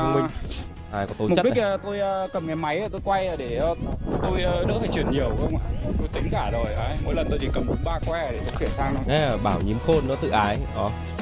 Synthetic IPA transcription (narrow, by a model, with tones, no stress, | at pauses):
mi˧ | haː˧˩jkɔ˨˦t̪o˧m˨˩ə˦˥i˦˥k̚ʔːt̪o˧jəː˧kə˨˩mŋaː˨˩ma˨˦jəː˨˩t̪o˧jkwa˧ja˨˩ɗe˧˩˨t̪o˧jəː˧nɨ˦˥faː˧˩jt͡ɕwi˧˩ənɲi˨˩əwxə˧wŋ͡mʔa̰ː˨˩˨t̪o˧jt̪ï˨˦ŋ̟kaː˧˩zo˨˩jʔə˨˦jmo̰˧˥jlə˨˩nt̪o˧jt̪i˧˩kə˨˩mtʰʊ˨˦ŋ͡mɓaː˧kwɛ˧˨˩ɗe˧˩o˧t͡ɕwi˧˩ənt̪ʰaː˧ŋ˧ɛ˨˦˨ɓaː˧˩wɲi˨˦mxo˧nːɔ˨˦t̪ɨ̰˧˨ʔaː˨˦jʔɔ˨˩